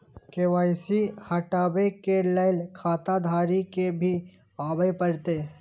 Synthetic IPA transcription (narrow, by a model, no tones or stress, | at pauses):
keʋaːɪsihɐʈaːbekeləɪlkʰaːt̪ad̪ʱaːɾikebʱi | aːbəepəɾt̪eː